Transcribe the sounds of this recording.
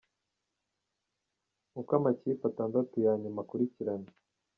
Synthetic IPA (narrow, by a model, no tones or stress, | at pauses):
mukamaciːpataːndatujaːɲemakuɾiciɾane